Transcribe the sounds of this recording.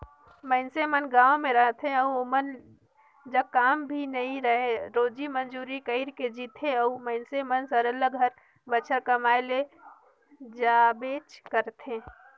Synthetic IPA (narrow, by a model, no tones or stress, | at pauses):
məɪnsemənɡaːomeɾəɦt̪ʰẽəuomən | d͡ʒəkaːmbʱinəɦĩɾəɦeɾoːd͡ʒimənd͡ʒuːɾikəɪɾked͡ʒiːt̪ʰeəuməɪnsemənsəɾəlːəɡʱəɾ | bəːt͡ʃʰəɾkəmaːele | d͡ʒabet͡ʃkəɾt̪ʰẽ